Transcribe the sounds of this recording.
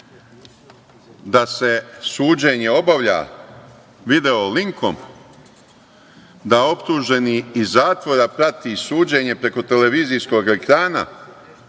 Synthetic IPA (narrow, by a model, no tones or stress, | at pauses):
d̪ase̞suːd͡ʑe̞ɲe̞o̞baʋʎa̰ | ʋid̪e̞oliŋkʰo̞̰m | d̪ao̞pt̪uʒe̞niːzːaːt̪ʋo̞ɾapɾat̪isuːd͡ʑe̞ɲe̞pɾe̞ko̞t̪e̞le̞ʋiːzisko̞ɡe̞kɾaːna̰